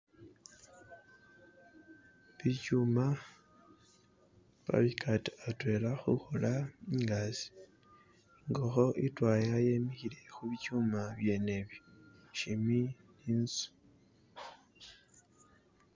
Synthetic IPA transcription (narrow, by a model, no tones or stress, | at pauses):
βicuma | βa̰βikʰatatwe̞laxuxolaiŋɡazi̥ | ŋɡoxo̞ʔitwajajemixile̞xuβicumaβje̞ne̞βjoʃimi | niːnsu̥